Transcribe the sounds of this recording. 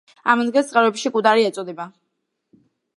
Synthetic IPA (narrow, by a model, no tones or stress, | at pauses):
amɔnd̪ɡɛt̪sʼqʼɛɾvɛbʃikʼud̪aɾiɛt̪sʼɔd̪ɛba